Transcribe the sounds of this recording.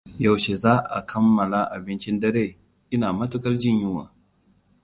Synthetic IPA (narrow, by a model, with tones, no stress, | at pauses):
ja˨wʃe˨zaː˦ʔa̰˨kʰɐ˦mːɐ˨la˦ʔa˨bɪ˦nt͡ʃɪ˦ndɐ˦ɾeː˦˨ | ʔɪ˦naː˨mɐ˦tʊ˦kɐ˦rd͡ʒɪ˦ɲjʊ˦wa̰ː˨